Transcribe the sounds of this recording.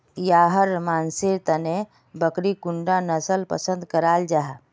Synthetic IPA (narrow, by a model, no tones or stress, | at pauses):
jaːɦəɾmaːnsiɾt̪əne | bəkɾikʊɳɖanəsəlpə̰sə̃nd̪kəɾaːld͡ʒaɦ